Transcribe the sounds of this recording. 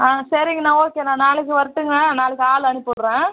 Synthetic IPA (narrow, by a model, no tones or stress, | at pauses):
ãːsɐɾiŋɡɐnãːoːkːeːnãːnaːɭɯk̬ːɯʋɐɾɯʈːɯŋɡɐɭɐ̃naːɭɯkːɯaːlɐnɯpːɯɽɾɛ̃ː